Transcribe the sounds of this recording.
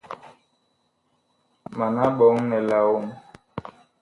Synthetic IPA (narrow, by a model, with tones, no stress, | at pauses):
ma˨na˦ɓɔ˨˦ŋnɛ˨la˨wo˦˨m